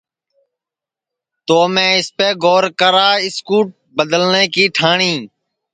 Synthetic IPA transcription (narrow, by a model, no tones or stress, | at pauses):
t̪oːmẽːɪspeːɡoːɾkəɾaːɪskuːʈ̚bəd̪əlnẽːkiːʈʰaːɳĩː